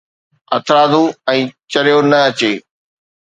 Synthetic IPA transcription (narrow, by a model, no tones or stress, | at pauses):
ɐt̪ʰɾaːd̪ʱuɛ̃ːt͡ɕɐɾijonɐɐt͡ɕeː